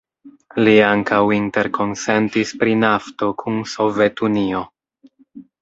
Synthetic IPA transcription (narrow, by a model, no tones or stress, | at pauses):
liaŋkawinte̞ɾko̞nse̞ntispɾinafto̞kʰunso̞ve̞tunio̞